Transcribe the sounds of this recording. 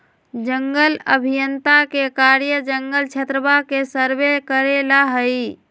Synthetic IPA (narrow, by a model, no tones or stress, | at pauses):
d͡ʒəŋɡələbʱijənt̪akekaɾjəd͡ʒəŋɡəlt͡ʃʰet̪ɾəbakesəɾbekəɾelaɦəi